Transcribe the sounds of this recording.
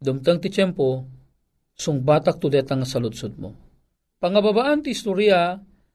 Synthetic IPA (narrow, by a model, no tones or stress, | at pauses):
d̪umt̪əŋt̪it͡ʃɛmpo | sʊŋbat̪ak̚t̪ud̪ɛt̪aŋːasɐlud̪sud̪̚mo̰ | pɐŋababaʔant̪iist̪uɾia